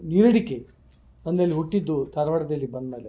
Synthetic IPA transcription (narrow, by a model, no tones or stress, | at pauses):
niɾɐɽike | ɐnd̪ɐlːiuʈːid̪ːut̪ɐɾʋɐɽɐd̪ɐlːibɐnːɐle